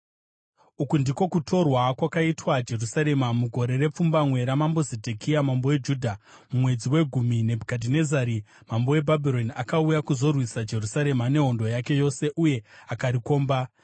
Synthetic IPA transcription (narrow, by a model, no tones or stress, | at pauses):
ukundiko̞kutʰo̞rwakwakaitwad͡ʒe̞rusaɾe̞mamuɡʱo̞ɾe̞re̞p͡fumbamwe̞ɾamambo̞zedʱekʰiamambo̞we̞d͡ʒudʱa | mumwe̞d͡ziwe̞ɡʱumine̞bʱukadʱine̞zaɾi | mambo̞we̞bʱabʱiɾo̞niakaujakuzo̞rwisad͡ʒe̞rusaɾe̞mane̞ɦo̞ndo̞jake̞jo̞se̞ʔuje̞akaɾiko̞ːmba